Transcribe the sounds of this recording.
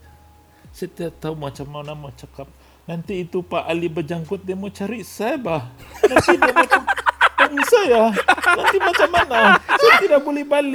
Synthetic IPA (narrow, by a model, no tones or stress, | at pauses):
səat̪iat̪aumat͡ʃamawnamat͡ʃakap̚ | nant̪iːt̪upaʔalibərd͡ʒaŋkʊt̪̚damot͡ʃaɾiʔsabahnat̪idaotuaŋisajanant̪imat͡ʃamːanasajat̪idak̚bolɛhbali